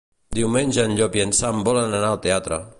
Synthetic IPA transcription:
d̪iwmenʲʒəːnʎɔpjənsambɔlənanalˠt̪eat̪ɾə̰

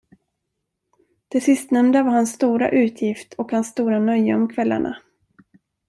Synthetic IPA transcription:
d̪̥ɛsɪst̪nɛmd̪avaɾhansːt̪uːɾa̰ʔʉ̟ːt̪ʰjɪft̪ʰɔkhansːt̪uːɾanœjːaɔmkʰvɛlːa̰ɳʔa̰

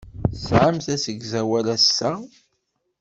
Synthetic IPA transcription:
sʕəmθæsəɡzæwælæsːæ

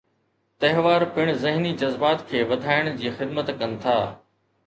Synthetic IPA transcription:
t̪ɐɦʋaːɾpɪɽ̃zɪɦnid͡ʑɐzbaːt̪kʰeːʋɐd̪ʱaːɪɽ̃d͡ʑiːxɪd̪mət̪kɐnɪ̆t̪ʰaː

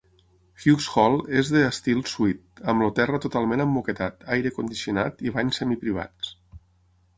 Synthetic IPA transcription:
xusxɔlˠezðəːst̪ilˠsuit̪̚əmlot̪ɛrət̪ut̪alˠmẽnəmːuket̪at̪ajɾəkund̪isiunat̪iβaɲsɛmipɾiβ̞a̰t͡s

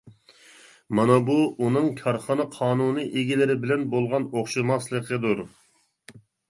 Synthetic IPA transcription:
mɑnɑbuʔunɨŋkʲʰɑɾχɑnɑqʰɑːnunɨʔeɡʲilɪɾɪbɪlɛnbolˠʁɑnoχʃɨmɑslˠəqʰəd̪uɾ

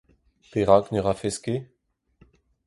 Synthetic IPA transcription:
peʁaknøʁafɛske

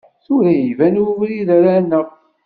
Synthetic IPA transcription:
θuɾæjivænuvliðæɾænːəʁ

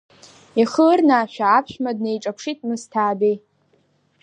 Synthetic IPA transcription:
iχərnaʃᶣaːpʰʃᶣmad̚nejʈ͡ʂʼapʷʰʂitʼmɨstʰaːdej

